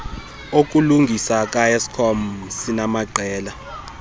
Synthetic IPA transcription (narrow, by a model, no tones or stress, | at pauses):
ok̬ʼuluŋɡʱisakʼajesi̥kʰɔm̩sinamaǃʱɛːla